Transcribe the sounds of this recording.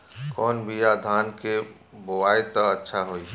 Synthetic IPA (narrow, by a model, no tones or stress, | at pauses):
kɔːnbʱijad̪ʱaːnke | boʋaːit̪oətːʃʰaɦoːi